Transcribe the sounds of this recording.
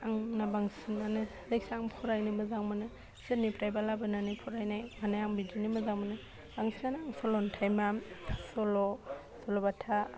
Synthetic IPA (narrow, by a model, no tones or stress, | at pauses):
aŋnabaŋsinanɯ | zajk̚saŋpʰuɾajnɯmɯzaŋmɯnɯ | sɯnipʰɾajbalabɯnanipʰuɾajnajmanajaŋbidinimɯzaŋmanɯ | b̥aŋsʰinanɯaŋsɔlɔntʰajmamsɔlɔ | sɔlɔbatʰa